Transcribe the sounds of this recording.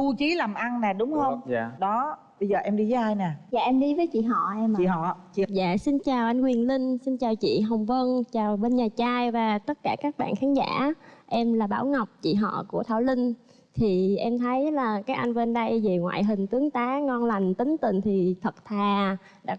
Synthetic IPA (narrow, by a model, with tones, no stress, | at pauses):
u˧t͡ɕi˨˦laː˨˩mʔa˧ŋnaː˨˩ɗʊ˨˦ŋ͡mhə˧wŋ͡mɗɔ˨˦ | ɓə˧jzəː˨˩ʔɛ˧mɗi˧və˨˦ʔaː˧jna˨˩ja̰ː˨ʔɛ˧mɗi˧vəː˨˦jt͡ɕḭ˧˨ɦɔ̰˧˨ʔɛ˧ḭ˧˨ɦɔ̰˧˨t͡ɕi˧˨za̰ː˧˨si˧nt͡ɕaː˨˩wʔa˧jŋ̟kwi˨˩ənli˧ŋ̟si˧nt͡ɕaː˨˩wt͡ɕḭ˧˨ɦə˨˩wŋ͡mvə˧nt͡ɕaː˨˩wɓe˧nɲaː˨˩t͡ɕaː˧jvaː˨˩t̪ə˦˥t̚kaː˧˩kaː˦˥k̚ɓa̰ː˧˨nxaː˨˦nza̰ː˧˥ʔɛ˧mlaː˨˩ɓaː˧˩wŋa˨˩wk͡p̚t͡ɕḭ˧˨ɦɔ̰˧˨ku˧˩ət̪ʰaː˧˩wlï˧ŋ̟ | t̪ʰi˨˩ʔɛ˧mt̪ʰə˨˦jlaː˨˩kaː˨˦˥k̚ʔa˧jŋ̟ve˧nɗə˧jze˨˩ŋwa̰ː˧˨jɦï˨˩ŋ̟t̪ɨ˨˦əŋt̪aː˨˦ŋɔ˧nla˨˩jŋ̟t̪ï˨˦ŋ̟t̪ï˧˨ŋ̟t̪ʰi˨˩t̪ʰə˨˩t̚t̪ʰaː˨˩ | ɗa̰ː˧˥